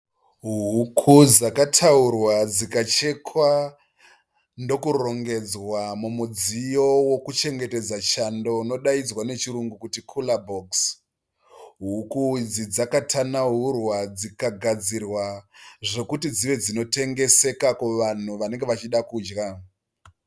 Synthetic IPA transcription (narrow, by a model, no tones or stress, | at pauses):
ɦukʰud͡zakatʰaurwad͡zikat͡ʃe̞kʰwa | ndo̞kuro̞ŋɡe̞d͡zwamumud͡zijo̞wo̞kut͡ʃe̞ŋɡe̞te̞d͡zat͡ʃando̞no̞ɗaid͡zwane̞t͡ʃiɾuŋɡukutikʰulaboks | ɦukud͡zid͡zakatʰanaurwad͡zikaɡʱad͡zirwaʐe̞kutid͡ziʋe̞d͡zino̞te̞ŋɡe̞se̞kakuʋan̤uʋane̞ŋɡeʋat͡ʃiɗakuːd͡ʒɡa